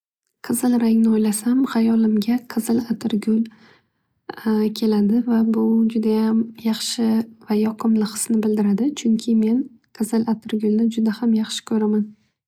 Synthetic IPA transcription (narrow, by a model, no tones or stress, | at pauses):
qʰɨzɪlˠɾaŋnɪojlasamhajɒlɪmɡʲaqʰɨzɪlat̪ʰɪɾɡʲʊl | kʲʰe̞lad̪ɪvabʊd͡ʒʊd̪ajamjɑχʃɪvajɒqʰɨmlɪqʰɨ̥snɪbɪld̪ɪɾad̪ɪt͡ʃʰʊŋkʲʰɪme̞n | qʰɨzɪlʔat̪ʰɪɾɡʲʊlnɪd͡ʒʊd̪ahamjɑχʃɪ̥kʲʰɵɾaman